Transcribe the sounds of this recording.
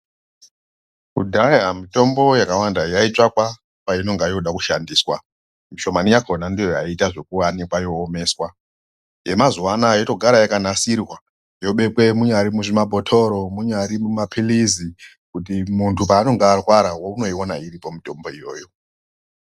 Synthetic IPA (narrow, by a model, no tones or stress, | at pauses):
kudʱajamito̞mbo̞jakawandajait͡ʂakwa | paino̞ŋɡajoɗakuʃandiːswa̰ | miʃo̞manijakonandijojaitaʐe̞kuwanikwajo̞ːme̞ːswa | je̞mazuwanajoto̞ɡʱaɾajakanasirwa | jo̞ɓe̞kwe̞muɲaɾimuʐimabʱotʰo̞ɾo̞muɲaɾimumapʰilizi | kut̬imuntʰupaːno̞ŋɡaːrwaɾawouno̞ionaiɾipo̞mito̞mbo̞ijo̞ːjo̞